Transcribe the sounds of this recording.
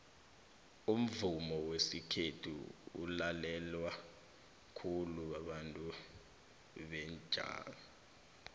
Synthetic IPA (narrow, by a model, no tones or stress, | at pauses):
um̩vumɔwesikʰetʰṵṵlalɛlwa | kʰuluwaɓantʼu | ɓɛnd͡ʒʱa̰ːnɔ